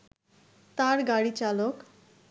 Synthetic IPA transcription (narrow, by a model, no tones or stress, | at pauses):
t̪aɾɡaɽit͡ɕalok